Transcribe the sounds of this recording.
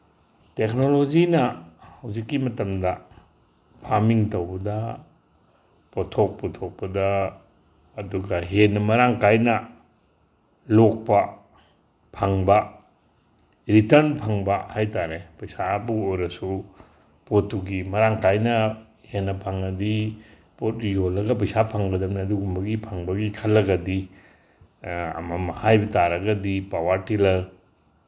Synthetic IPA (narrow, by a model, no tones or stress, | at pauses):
tek̚nolod͡ʒinɐhɐwzikːimɐtɐmdɐ | pʰaɾmiŋtɐwbɐdɐ | potʰok̚pɔtʰok̚pɐdɐː | duɡɐɦenːɐmɐɾaŋkajnɐ | lok̚pɐ | pʰaŋbɐ | ɾitɐɾnpʰaŋbɐhajtaɾepɐjsabuojɾɐsu | potːuɡimɐɾaŋkajnɐ | henːɐpʰaŋɐdi | pot̚ːujolːɐɡɐpɐjsapʰaŋɡɐdɐmniɐduɡumbɐɡipʰaŋbɐɡikʰɐlːɐɡɐdi | ɐ̰mɐmɐhajbɐtaɾɐɡɐdipawaɾtilɐɾ